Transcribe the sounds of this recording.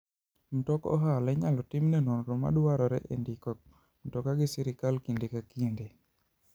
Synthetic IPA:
m̩tɔkɔ̰ɦalɛɲalɔtɪmnɛnonɾoma̰dwaɾɔɾɛʔendikɔ | m̩tɔkaɡɪsiɾɪkalkindekakinde

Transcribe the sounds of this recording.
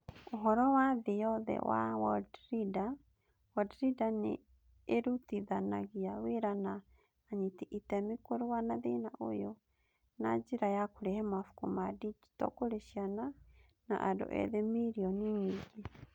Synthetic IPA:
oɦɔɾɔwaðejɔðɛ̰wa̰wɔdɾida | wɔdɾidanḛ | eɾutiðanaɣiaweɾanaː | ɲitiʔitɛmikoɾowanaðenaʔo̰jɔ | na̰d͡ʒiɾajakoɾɛhɛmafu̥kumadid͡ʒi̥tɔ̰koɾeʃjana | na̰ʔadɔ̰ʔɛ̰ðemiɾiɔniɲiɡe

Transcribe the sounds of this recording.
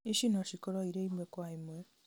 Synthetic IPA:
iʃinoʃikoɾoiɾeimwekwaimwe

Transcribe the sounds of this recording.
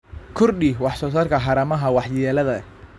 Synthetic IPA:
kʰʊrɗiwɑħsɔːsaːrkʰɐɦɑɾɐmɐɦɐwɑħjɛːlɐðɐ

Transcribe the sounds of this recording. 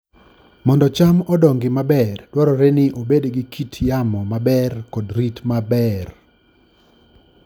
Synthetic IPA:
mɔndɔt͡ʃamɔdɔŋɡɪmabɛrd̥wɔɾɔɾenɪʔobedɡɪkʰitʰjamɔmabɛrkɔdɾitmabɛr

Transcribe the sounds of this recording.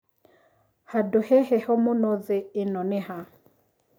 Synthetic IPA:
hadohɛhɛhɔmonɔðeɪnɔnɪha

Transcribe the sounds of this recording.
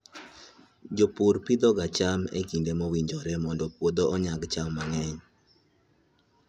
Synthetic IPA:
d͡ʒopuɾpid̪ɔɡat͡ʃamḛkindemɔwiɲd͡ʒɔɾɛmɔndɔpwod̪ɔʔɔɲaɡt͡ʃamːaŋɛɲ

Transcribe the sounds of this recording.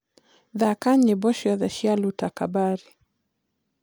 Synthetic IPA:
ðakaɲɛbɔʃaðaʃialutakabaɾi

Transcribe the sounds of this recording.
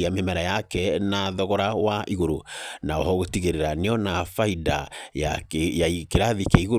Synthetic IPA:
amemɛɾajakɛnaðɔɣɔɾawaʔiɣoɾonaɔɦɔɣotiɣeɾeɾaneɔnafaida̰jakaikeɾaðikɛiɣo

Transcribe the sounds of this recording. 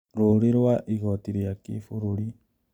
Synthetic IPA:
ɾoɾeɾwaʔiɣɔtiɾejakḛːfoɾoɾi

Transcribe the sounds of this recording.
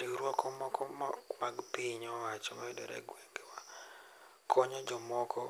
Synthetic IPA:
tiɾwɔkɔmɔkɔmɔmaɡpiɲɔwat͡ʃɔmaɛdɛ̰ɾɛ̰ɡweŋɡewa | kʰɔɲɔd͡ʒɔmɔkɔ

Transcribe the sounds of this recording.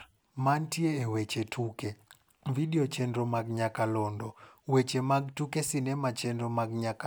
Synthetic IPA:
mantieːwet͡ʃetʰuke | vidiot͡ʃendɾomaɡɲakalɔndɔwet͡ʃemaɡ̚tukesinɛmat͡ʃendomaɡɲaka

